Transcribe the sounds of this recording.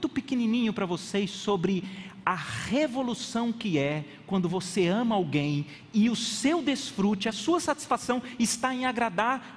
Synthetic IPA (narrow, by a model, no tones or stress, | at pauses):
t̪ʊpɪkenĩnĩɲʊpɾɐvosesːobɾɪɐʁevolusɐ̃w̃kɪɛ | kwɐ̃nd̪ʊvoseɐ̃mɐawɡẽj̃ | ɪʊsewd̪esfɾut͡ʃɪɐsuɐsat͡ʃi̥sfasɐ̃w̃ɪst̪aẽj̃aɡɾad̪aɾ